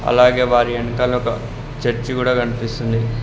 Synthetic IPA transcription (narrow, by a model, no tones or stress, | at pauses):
ɐ̰laːɡe̞ːʋaːɾiɐnikaːlːuɔkɐ | t͡ʃɐɾt͡ʃikuːɽaːkɐnipist̪und̪i